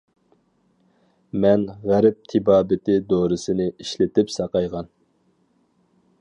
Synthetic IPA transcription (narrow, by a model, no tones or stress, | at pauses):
mɛnʁæɾɛp̚t̪ʰɪbɑːbɪt̪ɪd̪oɾɨsɪnɪiʃlɪt̪ɪpsɑqɑjʁɑn